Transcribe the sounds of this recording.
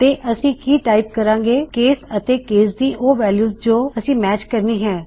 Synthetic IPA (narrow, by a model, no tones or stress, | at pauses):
t̪eːʔəsĩːkiːʈaːɪp̚kəɾãːŋɡeːkeːsət̪eːkeːsd̪iːʔoːʋɛːljuːzd͡ʒoːəsĩːmɛːt͡ʃkəɾniːɦɛ̃ː